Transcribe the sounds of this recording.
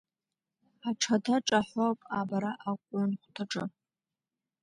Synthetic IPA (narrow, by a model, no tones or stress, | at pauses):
aʈ͡ʂʰatʰaʈ͡ʂʼaħʷopʼabaɾaʔakʷʼanχʷtʰaʈ͡ʂʼɨ